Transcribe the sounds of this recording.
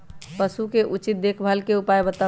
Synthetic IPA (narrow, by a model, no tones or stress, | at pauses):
pəsukeʔut͡ʃit̪̚d̪ekʰbʱəlkeupajbət̪a